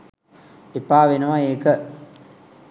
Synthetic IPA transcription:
epaːʋenəʋaeːkə

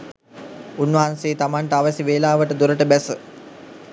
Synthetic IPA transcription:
unːʋɐɦanseːt̪amaɳʈəaʋəsiʋeːlaːʋəʈəd̪uɾəʈəbæsə

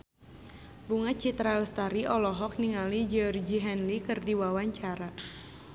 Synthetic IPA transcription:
buŋat͡ʃit̪ɾalst̪aɾiʔɔlɔɦɔk̚niŋalid͡ʒiɔrd͡ʒiɦɛnlikɨrdiwawaɲt͡ʃaɾa

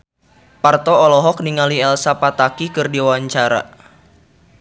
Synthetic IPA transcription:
part̪ɔɔlɔɦɔk̚niŋaliɛlsapat̪akikɨrdiwaɲt͡ʃaɾa̰

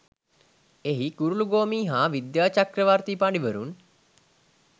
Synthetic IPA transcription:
eɦikuɾuluɡoːmiːɦaːʋid̪jaːt͡ʃakrəʋart̪ipaɳɖiʋəɾṵn

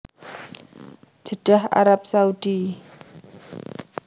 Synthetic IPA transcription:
d͡ʒ̥əɖ̥aha̰ɾap̚saud̥i

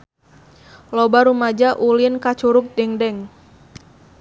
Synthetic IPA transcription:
lɔbaɾumad͡ʒaʔulinkat͡ʃuɾʊk̚dɛŋdɛŋ

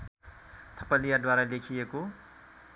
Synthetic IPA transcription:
t̪ʰʌpʌlijad̪waɾalekʰijeko

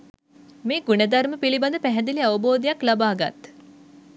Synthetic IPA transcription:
meːɡuned̪ɐɾməpilibad̪əpæɦɛd̪iliɐʋəboːd̪ijaklabaːɡa̰t̪

